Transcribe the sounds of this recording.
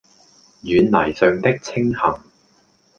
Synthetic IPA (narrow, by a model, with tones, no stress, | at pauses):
jyː˨˧nnɐ˨˩jsœː˨ŋt̪ɪ˥k̚t͡sʰɪ˥ŋhɐ˨˩ŋ